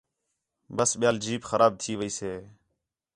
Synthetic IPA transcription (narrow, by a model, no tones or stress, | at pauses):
bəsɓɪjaːld͡ʒiːpxəɾʔaːb̚t̪ʰiːʋəiːseː